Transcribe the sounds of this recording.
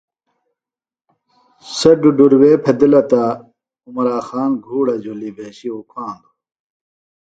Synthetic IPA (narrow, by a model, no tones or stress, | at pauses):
sɐɖuɖuɾweːpʰɐd̪lɐt̪a | umɾaːxaːnɡʱuːɽɐd͡ʑʱulibeːɕiukʰãːnd̪u